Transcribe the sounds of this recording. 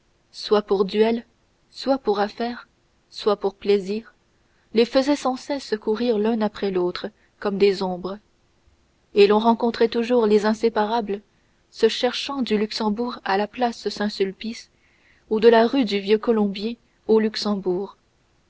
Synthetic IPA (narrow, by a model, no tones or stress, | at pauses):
swapuʁd̪ɥɛl | swapuʁafɛːʁ | swapuʁpleziːʁ | lefəzɛsɑ̃sɛskuʁiʁlœ̃napχɛlot̪χə | kɔmd̪ezɔ̃bʁ | elɔ̃ʁɑ̃kɔ̃t̪χɛt̪uʒuʁlezɛ̃sepaʁabl | səʃɛʁʃɑ̃d̪ylyksɑ̃buʁalaplasəsɛ̃sylpis | ud̪əlaʁyd̪yvjøkɔlɔ̃bjɛ̃ | olyksɑ̃buːʁ